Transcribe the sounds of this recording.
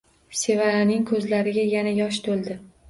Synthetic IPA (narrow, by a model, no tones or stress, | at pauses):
se̞vaɾanɪŋkʰɵzlaɾɪɡʲajanajɒʃ̬t̪ʰolˠd̪ɪ